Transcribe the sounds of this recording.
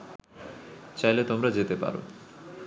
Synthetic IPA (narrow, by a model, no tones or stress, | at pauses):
t͡ɕajlet̪omɾad͡ʑet̪epa̰ɾo̰